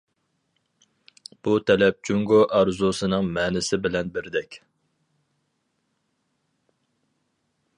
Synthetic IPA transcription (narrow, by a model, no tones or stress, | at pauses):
b̥ut̪ʰɛlɛp̚t͡ʃʰuŋɡoʔɑɾzusɨnɨŋmɛːnɪsɪbɪlɛnbɪɾd̪ɛkʲ